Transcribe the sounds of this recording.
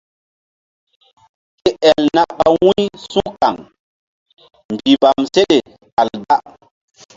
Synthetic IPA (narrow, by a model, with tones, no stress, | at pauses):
ke˦ʔɛ˨lna˦ka˨wũ˦jsũ˦ka˨ŋ | mbi˨va˨mse˦ɗe˨ | a˨lba˦